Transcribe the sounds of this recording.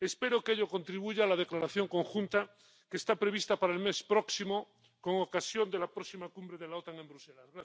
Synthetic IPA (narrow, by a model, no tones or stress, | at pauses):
e̞spe̞ɾokeʎoko̞nt̪ɾiβ̞uʝaːlað̞e̞klaɾaθjo̞ŋko̞ŋxunt̪a | kest̪apɾe̞βist̪apaɾaelme̞spɾoksimo | ko̞ŋokasjo̞nd̪elapɾoksimakumbɾeðelaot̪aŋe̞mbɾuselazɣɾa